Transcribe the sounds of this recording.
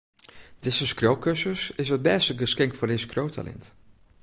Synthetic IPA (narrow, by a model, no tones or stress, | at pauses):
d̥ɪsəskrowkøsəsɪsət̚bɛːstəɡəskɛŋkfʊːrdeskrowtʰa̰lʔɛ̰nt